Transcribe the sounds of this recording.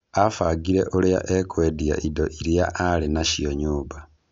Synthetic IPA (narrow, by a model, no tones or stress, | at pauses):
afaɡiɾeʔolija̰ʔekwedija̰ʔidoʔiɾija̰ʔalinaʃijoɲuːba